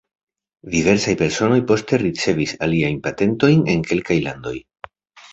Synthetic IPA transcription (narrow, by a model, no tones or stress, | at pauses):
dive̞ɾsajpe̞ɾso̞no̞jpo̞ste̞ɾit͡se̞visaliajnpate̞nto̞jne̞̰ŋke̞lkajlando̞̰j